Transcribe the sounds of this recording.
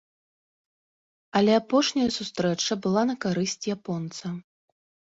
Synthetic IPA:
ɐlʲɛapɔʂnʲɐjɐsust̪ɾɛt͡ʂɐbɨlˠanɐkaɾɨsʲt͡sʲjapɔnt̪sɐ

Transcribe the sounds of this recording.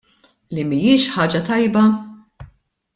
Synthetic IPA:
limijɪːʃħɐːd͡ʒɐt̪ɐjbɐ

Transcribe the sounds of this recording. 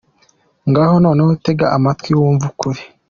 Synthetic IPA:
ŋɡaːho̞noːneute̞ɡaʔamatwiwuːɱvukuɾi

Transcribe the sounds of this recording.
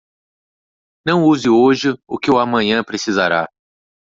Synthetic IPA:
nɐ̃w̃uzɪoʒɪʊkɪwamɐ̃ɲɐ̃pɾesiza̰ɾa̰

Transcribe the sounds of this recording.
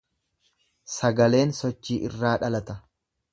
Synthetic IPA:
sɐɡɐle̞ːnsɔt͡ʃːiːʔɪrːaːᶑɐlɐt̪ɐ

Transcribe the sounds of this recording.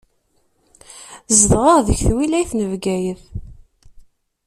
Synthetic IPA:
zd̪ʁəʁðəçθwilæjθnəvɡæjəð

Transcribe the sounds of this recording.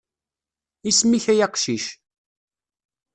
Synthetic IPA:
ismiçæjɑqʃiʃ

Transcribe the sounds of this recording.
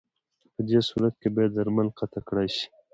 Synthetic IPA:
pəd̪eːsuːɾɐt̪̚kebed̪d̪ɐɾmɐlqɐt̪akɽaːɕi̥

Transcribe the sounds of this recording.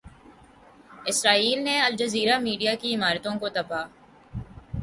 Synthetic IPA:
ɪsɾaːiːlneɐld͡ʒɐziːɾamiːɖijakiɪmaːɾt̪õkot̪ɐpaː

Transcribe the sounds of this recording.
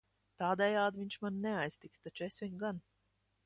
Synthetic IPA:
t̪aːd̪ɛjaːd̪viɲʲt͡ʃmanːɛajst̪ikst̪at͡ʃuesvʲiɲɡan

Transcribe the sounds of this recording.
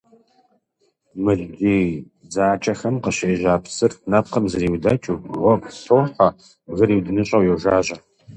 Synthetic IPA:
mɨɮdeː | d͡zaːt͡ʃʼɐxɐmqəɕeːʑaːpʰsɨrnɐp̚qɐmzɐɾiːwdɐt͡ʃʼuʁʷɔpɬowħɐ | ɣɐɾiːwdɨnɨɕʼɐwjɛwʒaːʑɐ

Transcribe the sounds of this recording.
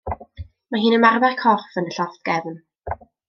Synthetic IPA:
maɦiːnəmarðarkʰɔrfənəɬɔft̪̚ɡ̥ɛvn

